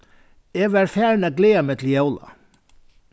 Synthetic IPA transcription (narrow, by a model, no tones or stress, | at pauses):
ɛvaɾ̥fjaːɾɪnaðkleːamɛt̪ʰɪljoːwla̰